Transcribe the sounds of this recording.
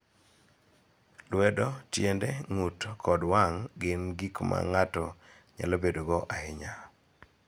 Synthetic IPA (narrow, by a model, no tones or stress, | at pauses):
lwɛdɔtjendɛŋutkʰɔdwaŋɡɪnɡikma̰ŋatɔ | ɲa̰lɔbedoɡɔʔahɪɲa